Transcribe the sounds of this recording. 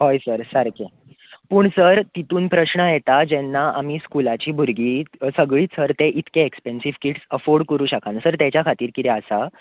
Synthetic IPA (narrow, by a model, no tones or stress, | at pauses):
ɦojsəɾsəɾke | puːɳsəɾt̪it̪uːnpɾəɕɳəjet̪ad͡ʑenːaʔamiːskulat͡ɕiːbʱuɾɡiːsəɡɭiːt͡sʰəɾt̪eʔit̪keekspensiʋkiʈsəfoɾɖkəɾuːɕəkʰansəɾt̪jat͡ɕjakʰat̪iːɾkit̪ɛəsa